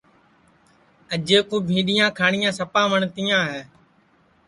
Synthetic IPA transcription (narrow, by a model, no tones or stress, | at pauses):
əd͡ʒeːkuːbʱĩːɗɪjãːkʰaːɳɪjãːsəpãːʋəɳt̪ijãːɦɛː